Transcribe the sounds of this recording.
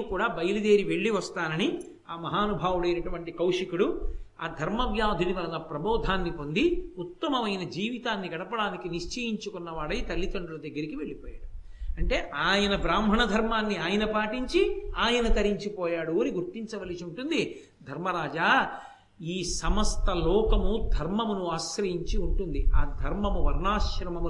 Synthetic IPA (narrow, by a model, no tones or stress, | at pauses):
kuːɽaːbɐjɐlud̪e̞ːɾiʋe̞ɭːiʋɐst̪aːnɐni | aːmɐɦaːnubʱaːʋuɽɐjnɐʈuʋɐɳʈikɐwʂikuɽuaːd̪ʱɐɾmɐbjaːd̪ʱiniʋɐlɐlɐpɾɐbɔːd̪ʱaːnːipond̪iut̪ːɐmɐʋɐjnɐd͡ʒiːʋit̪aːnːiɡɐɽɐpɐɽaːnikiniʂt͡ʃeːjiɲt͡ʃukunːɐʋaːɽɐjit̪ɐlːit̪ɐɳɖulɐd̪ɐɡːɐɾikiʋe̞ɭːipɔːja̰ːɽu | ɐɳʈe̞ːʔaːjɐnɐbɾaːmbʱɐɳɐd̪ʱɐɾmaːnːiaːjɐnɐpaːʈiɲt͡ʃiaːjɐnɐt̪ɐɾiɲt͡ʃipɔːjaːɽuoːɾiɡuɾt̪ːiɲt͡ʃɐʋɐlisiuɳʈund̪i | d̪ʱɐɾmɐɾaːd͡ʒaː | iːsɐmɐst̪ɐlɔːkɐmud̪ʱɐɾmɐmunuaːʃɾɐjiɲt͡ʃiuɳʈund̪iaːd̪ʱɐɾmɐmuʋɐɾnaːʃɾɐmɐmu